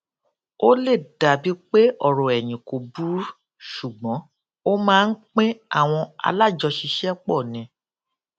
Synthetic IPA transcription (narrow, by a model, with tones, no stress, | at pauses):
o˦le˦˨da˨bi˦k͡pe˦ɔ˦˨ɾɔ̃˨ɛ˨j̃ĩ˨ko˨bu˨˦ | ʃu˨ɡ͡bɔ̃˨˦ | o˦mãː˦˧n̩˦k͡pẽ˦a˦˨w̃ɔ̃˧a̰˧la˦˨d͡ʒɔ˧ʃi˧ʃɛ˦k͡pɔ˦˨nĩ˨˧˦